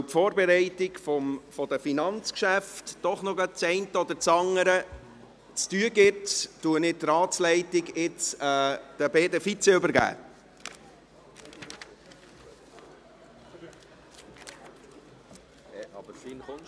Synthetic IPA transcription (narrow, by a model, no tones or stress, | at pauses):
wfɔːɾbɛɾɛɪtɪɡfɔmfɔd̥̪əfinɑnt͡skʃæftd̥ɔχnɔɡɑt͡sɛɪntəɔd̪əɾt͡sɑŋəɾə | t͡styəɡɪttuənɪt̚tɾɑːslɛɪtɪɡɪt͡sɛːd̥əbeːdəfit͡sɛʏbəɾɡæ̰ː | bəin